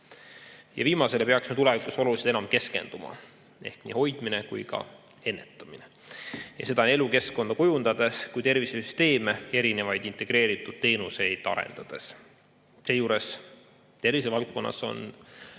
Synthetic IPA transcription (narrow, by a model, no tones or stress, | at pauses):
jɑviːmɑse̞le̞pe̞ɑksmet̪ulɛvikuso̞luliset̪enɑmke̞ske̞̰nd̪̥umɑ̰ | e̞̰hknḭho̞jd̪̥minekujkɑ̰ | e̞nːe̞t̪ːˑɑmine | jɑ̰se̞d̪̥ɑne̞luke̞sko̞nd̪̥ɑkujund̪̥ɑd̪̥e̞skujt̪e̞rvisesyst̪e̞ːmee̞ɾine̞vɑjd̪̥int̪e̞ɡ̥ɾe̞ːɾit̪ːˑud̪̥̚t̪e̞ːnuse̞jd̪̥ɑ̰ɾḛnd̪̥ɑd̪̥e̞s | se̞ːjuːɾes | t̪e̞rvis̬evɑlt̪̚ko̞nːɑ̰so̞̰n